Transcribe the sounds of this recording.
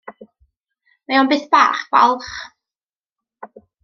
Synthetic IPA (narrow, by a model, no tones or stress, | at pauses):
majɔnbɨːθb̥aːχb̥a̰lˠχ